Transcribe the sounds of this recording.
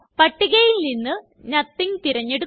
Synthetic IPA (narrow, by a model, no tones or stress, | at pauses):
pɐʈːiɣɐjilninːɨ | ɲɐt̪ːiŋt̪iɾɐɲːeɽu